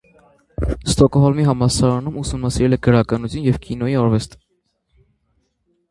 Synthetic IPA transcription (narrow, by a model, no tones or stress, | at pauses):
st̪ɔkɔɦɔlmiɦɑmɑsɑɾɑnumusumnɑsiɾɛlɛɡəɾɑkɑnut͡sʰjunjɛvkinɔjiɔɾvɛst̪ə̥